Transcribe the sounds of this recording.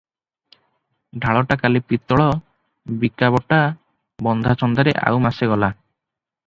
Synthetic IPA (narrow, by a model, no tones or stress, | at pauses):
ɖʱaɭɔʈakalipit̪ɔɭɔ | bikabɔʈa | bɔnd̪ʱat͡ʃɔnd̪aɾeʔa̰wmaseɡɔla